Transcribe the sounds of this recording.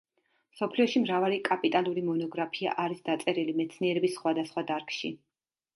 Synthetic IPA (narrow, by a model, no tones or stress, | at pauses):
msɔpʰliɔʃimɾavaɾikʼapʼit̪ʼalˠuɾimɔnɔɡɾapʰia̰ʔaɾisd̪̥at̪sʼɛɾilimɛt̪sʰniɛɾɛbisːχwad̪asχwad̪aɾkʼʃi